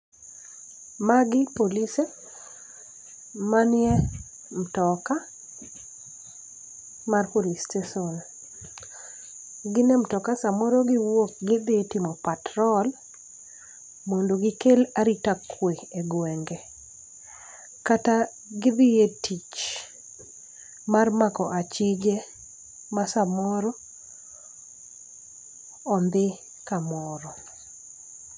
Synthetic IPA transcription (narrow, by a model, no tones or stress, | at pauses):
maɡɪpolise | manje | m̩tɔka | marpolistesɔn | ɡɪnem̩tɔkasamoɾoɡɪwok̚ɡɪd̪ɪetɪmɔpatɾɔl | mondoɡɪkelaɾitakʰweeɡwɛŋɡɛ | kata | ɡɪd̪ɪjetit͡ʃ | marmakɔʔat͡ʃɪd͡ʒe | masamɔɾɔ | nd̪ɪ | kamɔɾɔ